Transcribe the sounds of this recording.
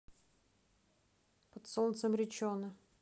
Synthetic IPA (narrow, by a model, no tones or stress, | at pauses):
pət̪sɔnt̪səmɾʲɪt͡ɕonə